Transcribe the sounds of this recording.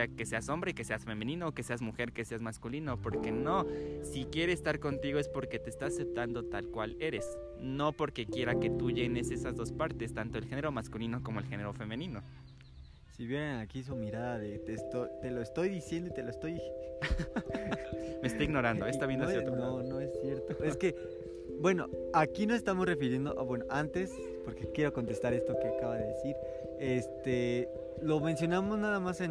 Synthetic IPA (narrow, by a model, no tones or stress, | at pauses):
akese̞aso̞mbɾe̞ke̞se̞asfe̞mẽnĩnookese̞azmuxe̞ɾkese̞azmaskulinopo̞ɾke̞no̞sikje̞ɾe̞ːst̪aɾko̞nt̪iɣo̞e̞spo̞ɾke̞t̪eːst̪aːse̞p̚t̪and̪o̞t̪alkwale̞ɾe̞s | no̞po̞ɾke̞kje̞ɾake̞t̪uʝe̞ne̞se̞sazðospaɾt̪e̞st̪ant̪o̞elxe̞ne̞ɾo̞maskulino̞ko̞mo̞e̞lxe̞ne̞ɾo̞fe̞mẽ̞nĩno̞ | siβjeɾenakis̬umiɾaðaðet̪est̪ojt̪e̞loest̪o̞jðisje̞nd̪oit̪e̞loest̪o̞j | mest̪oiɣno̞ɾand̪oest̪aβjenasjoononoesːje̞ɾt̪oe̞ske̞ | bwe̞no̞akino̞sest̪amo̞sre̞fiɾje̞nd̪oʔaβwe̞noʔant̪e̞s | po̞ɾkekje̞ɾo̞ko̞nt̪e̞st̪aɾe̞st̪o̞keakaβaðeðesiɾ | e̞st̪e | lo̞mensjo̞namo̞znaðamase